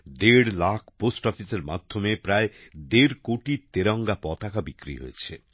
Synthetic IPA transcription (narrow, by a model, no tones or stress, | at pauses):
d̪eɽlakʰposʈɔpʰiseɾma̰d̪ʱːomepɾaed̪eɾkoʈit̪eɾɔŋɡapɔt̪akabikɾḭɦo̰jet͡ɕʰe